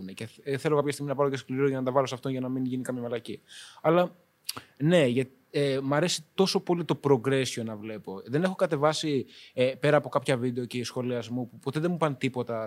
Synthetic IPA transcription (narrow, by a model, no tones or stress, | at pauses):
neceθe̞lokɐpçɐst̪iɣminɐpɐɾo̞ceskliɾɾoʝɐnɐt̪ɐvɐlo̞sɐft̪o̞nʝɐnɐminʝinikɐmçɐmelɐciɐlɐ | ne̞ʝɐt̪ | emɐɾe̞si̥t̪o̞so̞po̞lit̪o̞pɾo̞ɡɾe̞sio̞nɐvle̞po̞ðe̞ne̞xo̞kɐt̪e̞vɐsiepe̞ɾɐːpo̞kɐpçɐvid̪e̞o̞ce̞isxo̞liɐzmupupo̞t̪eðemupɐnt̪ipo̞t̪ɐ